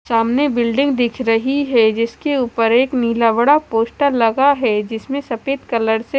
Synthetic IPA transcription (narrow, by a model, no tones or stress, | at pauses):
saːmnebɪlɖɪ̃ŋɡ̚d̪ɪkʰɾɐɦiɦɛd͡ʒɪskeuːpəɾeːkniːlaʋɐɽapoːsʈalɐɡaɦɛd͡ʒɪsmẽsɐpeːt̪kɐləɾse